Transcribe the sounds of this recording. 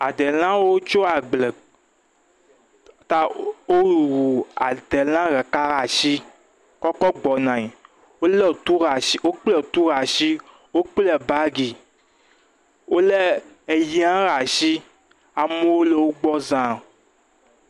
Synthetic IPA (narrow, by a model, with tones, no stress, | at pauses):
a˨d̪e˨lã˦wo˦wo˦t͡ʃo˦a˨ɡ͡ble˨ | t̪a˦o˦ɾu˨wu˨a˨d̪e˨lã˦ɣɛ˨ka˦ɣa˨ʃi˦ | kɔ˦kɔ˦ɡ͡bɔ˨nã˨i˨ | wo˦le˦˨t̪u˦ɣa˨ʃi˦wo˦k͡ple˦˨t̪u˦ɣa˨ʃi˦ | wo˦k͡ple˨ba˦ɡi˨ | wʔo˦le˦ | e˨ji˦ã˦ɣa˨ʃi˦ | a˨me˦wo˦le˨wo˦ɡ͡bɔ˦zã˨